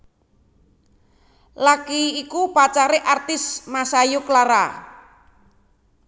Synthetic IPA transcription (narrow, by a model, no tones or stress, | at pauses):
lakiːkupat͡ʃaɾeʔart̪ɪsmasajuklaɾa̰